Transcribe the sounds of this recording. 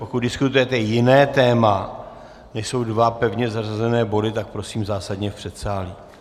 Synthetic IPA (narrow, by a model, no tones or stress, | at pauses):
pokut̪̚dɪskut̪ujɛt̪ɛjɪnɛːt̪ɛːma | nɛʃso̞wdvapɛvɲɛzarazɛnɛːbo̞dɪt̪ak̚pɾo̞siːmzaːsadɲɛfpr̝̥ɛt̪saːli